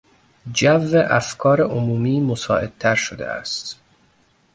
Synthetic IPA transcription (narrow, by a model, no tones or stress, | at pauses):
d͡ʒævːeʔæfkʰɒːɾeʔomuːmiːmosɒ̰ːʔe̞d̪̚t̪ʰæɾʃod̪ḛæ̰st̪